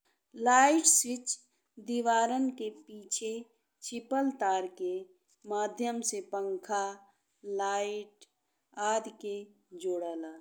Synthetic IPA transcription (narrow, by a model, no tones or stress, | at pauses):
laːɪʈsɪt͡ʃ | d̪iʋaːɾənkepiːt͡ʃʰe | t͡ʃɪpəlt̪aːɾke | maːd̪ʱjəmsepə̃ŋkʰa | laːɪʈ | aːd̪ke | d͡ʒoːɽaːlaː